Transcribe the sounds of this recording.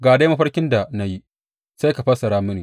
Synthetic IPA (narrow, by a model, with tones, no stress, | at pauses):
ɡaː˨da˦ma˦ɸɐ˦ɽkʲɪ˦nda˨na˦ji˦ | sa˦jka˨ɸɐ˦sɐ˨ɾaː˦mɪ˦nɪ˨